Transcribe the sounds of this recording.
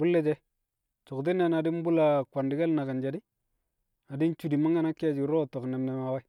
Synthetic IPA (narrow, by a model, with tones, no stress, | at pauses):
bu˦lːe˦d͡ʒe˦ | t͡ʃo˨kt̬i˦ne˦˨na˨di˦m˦bu˦la˨kwa˨ndi˨ɡa˦lna˨ka˨nd͡ʒa˨di˦ | a˨di˦nt͡ʃu˦˨di˨ma˦ŋɡa˦na˦kːi˦ja˦˨d͡ʒi˨ɾo˦˨to˨kne˨mne˨ma˨wa˦